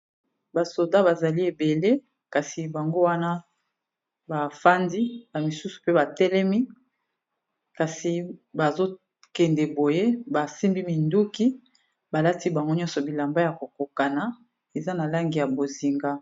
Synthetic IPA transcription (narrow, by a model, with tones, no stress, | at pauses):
ba˨so˨da˦ba˨za˨li˦e˨be˨le˦ | ka˨si˨ba˨ŋɡo˦wa˦na˦ | ba˨fa˦ndi˦na˨mi˨su˦su̥˨pe˦ba˨tɛ˦lɛ˦mi˦ | ka˨si˨ba˨zo˦ | kɛ˨ndɛ˨bo˨je˦ba˨si˦mbi˦mi˨ndu˦ki˦ | ba˨la˦ti˦ba˨ŋɡo˦ɲɔ̃˦nsɔ˨bi˨la˨mba˦ja˨ko˨ko˨ka˨na˨ | e˨za˦na˨la˦ŋɡi˨ja˨bo˨zi˨ŋɡa˦